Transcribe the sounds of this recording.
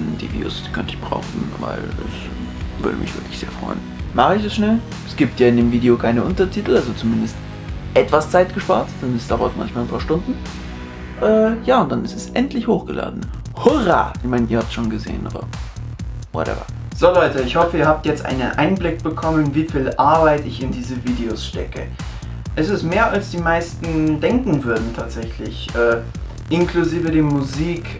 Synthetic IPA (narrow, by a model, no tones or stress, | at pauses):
ndḭvjṵːsd̥i̥kʰœntəɪçb̥ʁa̰ʊxn̩va̰ɪlɛ̰s | vʏ̰ɐɾə̰mɪçv̥ɪɐkʰlɪçz̥ḛːfʁ̥ɔ̰ʏnmaχəɪçɛsʃnɛl | ʔɛsɡ̥iːp̚tjaːɪndeːmviːdeokʰaɪnəʔʊntɐtʰiːtl̩ʔalzot͡sumɪndəst | ʔɛtv̥ast͡saɪtɡ̥əʃpa̰ːɐtd̥anɛsd̥aʊɐ̰tma̰nçmalnpʰaːɐʃtʊndn̩ | ʔɛːjaːʊntd̥anɪstɛsʔɛntlɪçhoːxɡ̥əlʔa̰ːdn̩ | hɔʁa̰ʔɪçmaɪnḭɐhap̚tʃoːnɡəzḛːə̰nʔo̰ːdɐ̰ | vɔ̰tʔɛ̰vɐ̰ | z̥oːlɔʏtəɪçhɔfəiːɐɦaːp̚tjɛt͡stʔa̰ɪnənʔa̰ɪnblɪk̚b̥əkʰɔmənviːfiːlʔaɐbaɪtɪçɪndiːzəviːdeosʃtɛ̰kə̰ | ʔɛsɪstmeːɐʔalsd̥iːmaɪstn̩d̥ɛŋkŋ̩vʏɐdn̩tʰaːtz̥ɛçlɪ̰çʔɛː | ʔɪnkluziːvədeːmuziːk